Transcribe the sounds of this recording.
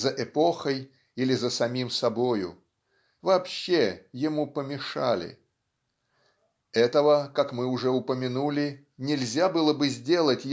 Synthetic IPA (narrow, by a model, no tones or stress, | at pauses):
zəʔɪpo̞xəj | ilʲɪzəsɐmʲimsɐbo̞jʊ̰ | vɐːpɕːejɪmupəmʲɪʂalʲɪ̰ | ɛt̪əvəkakmɨʊʐɛʊpəmʲɪnulʲɪ | nʲɪlʲzʲabɨlˠəbɨzʲdʲe̞lˠətʲj